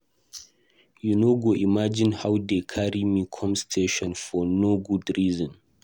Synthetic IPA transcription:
junoɡoʔimad͡ʒĩnhawdekʰaɹimikʰɔ̃mstʰeʃɔ̃nfɔnoɡudɹizɔ̃n

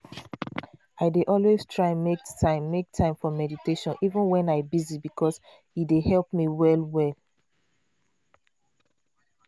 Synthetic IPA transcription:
aɪdeʔɔlweztʰɹaɪmektʰãɪ̃mːek̚tʰãɪ̃mfɔmɛditʰeʃɔ̃nivə̃nwɛ̃naɪbizibikʰɔs | idehɛlpmiwɛlwɛl

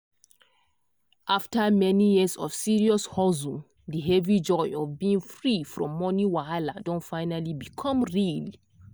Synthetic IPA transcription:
ʔaftəmɛnijizɔv̥siɹiɔshɔzũ | diɦɛvid͡ʒɔjɔvbiĩŋfɹifɹɔ̰̃mːɔniwaaladɔ̃nfaɪnalibikʰɔ̃mɹili

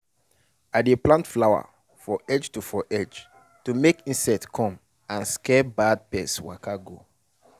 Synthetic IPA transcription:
adeplãntflawa̰ | fɔʔɛd͡ʒtufɔʔɛd͡ʒ | tumekĩnsɛtkʰɔ̃m | ãnskɛbad̚pɛswa̰kʰaɡo

